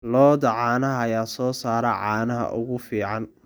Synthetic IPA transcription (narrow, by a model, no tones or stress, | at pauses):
lɔːd̪ɐʕɑːnɐɦːjaːsɔːsaːɾɐʕɑːnɐɦɐ̰ʔʊ̰ɣʊfiːʕɑn